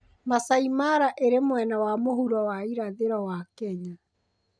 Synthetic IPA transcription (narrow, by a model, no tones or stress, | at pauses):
masaimaɾaʔeɾemwɛnawamoɦuɾɔwaiɾaðeɾɔwakɛɲa